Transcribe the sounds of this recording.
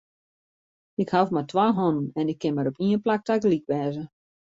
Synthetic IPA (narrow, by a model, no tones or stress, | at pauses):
ɪkhafmatwaɦɔnənɛnɪkːɪnmaɾɔpiənplak̚takəlikʋɛːzə